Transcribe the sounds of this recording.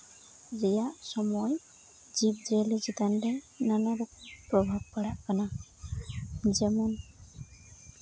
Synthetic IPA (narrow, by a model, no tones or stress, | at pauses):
zɛjaʔsɔmɔj | zib̚zɛliziɡandɛ | nanaɾɔkpɾɔbʱab̚paɽaʔkana | zɛmɔn